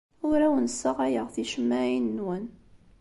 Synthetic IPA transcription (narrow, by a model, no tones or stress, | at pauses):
ʊɾæwənsəʁæjəʁθiʃəmːæinːwən